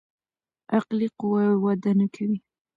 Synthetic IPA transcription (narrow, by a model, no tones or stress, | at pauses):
aqliqʊwawwad̪anakʰawi